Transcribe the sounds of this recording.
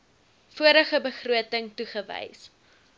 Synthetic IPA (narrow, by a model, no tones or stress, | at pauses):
fuəɾəχəbəχruətəŋtuχəvə̰js